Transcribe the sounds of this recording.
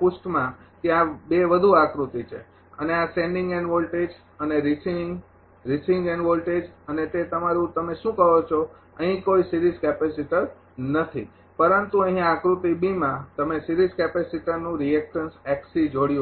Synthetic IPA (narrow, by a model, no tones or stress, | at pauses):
pusʈmã | t̪jãbeʋəd̪ʱuakɾut̪it͡ʃʰḛ | əneasẽɳɖĩŋɡenʋolʈed͡ʒ | əneɾisiŋ | ɾisĩŋɡɛnʋolʈed͡ʒənet̪et̪əmaɾũt̪əmeʃũkəɦot͡ʃʰo | əɦĩkoisiɾizkɛpɛsiʈə | nət̪ʰḭ | pəɾənt̪uəɦĩakɾut̪ibimãt̪əmesiɾizkɛpɛsiʈənũɾiɛk̚ʈənsɛksid͡ʒoɽijũ